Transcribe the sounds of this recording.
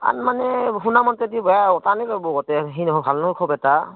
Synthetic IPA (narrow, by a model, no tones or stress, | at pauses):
a̰nmanɛɦunamɔntɛdibɔjaɔtanikɔbɔɡɔtɛɦinɦɔbʱalnɔkʰɔbɛta